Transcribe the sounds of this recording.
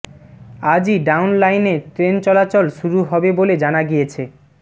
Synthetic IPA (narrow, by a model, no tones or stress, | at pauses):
ad͡ʑiɖawnlajneʈɾent͡ɕɔlat͡ɕolʃuɾuɦɔbeboled͡ʑanaɡijet͡ɕʰe